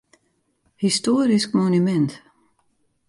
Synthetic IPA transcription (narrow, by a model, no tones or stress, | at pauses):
hist̪uːɾiskmɔnimɛnt̪